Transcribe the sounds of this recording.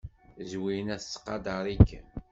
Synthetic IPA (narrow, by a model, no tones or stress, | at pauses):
zwijnæθt͡sːqːɑd̪ɑɾˤikːə̰